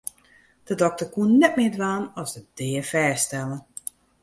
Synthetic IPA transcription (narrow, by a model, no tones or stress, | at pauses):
d̥ədɔk̚tərkuənnːɛt̚mɪːədʋaːnɔsəd̥ɪːərfɛːstɛlˠən